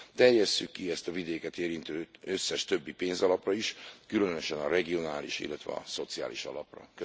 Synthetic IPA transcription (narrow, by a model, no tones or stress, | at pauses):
t̪ɛrjɛsːykːiɛst̪ɒvid̪eːkɛt̪eːɾint̪øːøsːɛʃt̪ø̞bːipeːnzɒlɒprɒiʃkylø̞nø̞ʃɛnɒɾɛɡio̞naːlḭʃḭlːɛt̪ʋɛ̰ɒ̰so̞t̪sia̰ːliʃɒ̰lɒprɒ̰kø